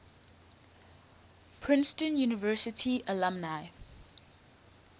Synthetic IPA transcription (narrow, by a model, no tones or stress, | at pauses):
pʰɹɪ̃nstə̃njunɪvɜsɪtʰiəlãmnaj